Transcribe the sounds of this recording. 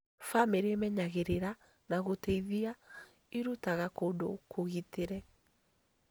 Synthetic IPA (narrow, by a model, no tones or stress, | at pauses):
fameɾemɛɲaɣeɾeɾa | naɣotɛiðia | iɾutaɣakodokʰoɣiteɾɛ